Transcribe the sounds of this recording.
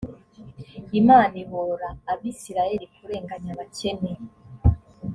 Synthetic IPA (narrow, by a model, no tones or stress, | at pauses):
imaːniβoɾaːβisiɾaje̞ɾikuɾe̞ːŋɡaɲaβace̞ne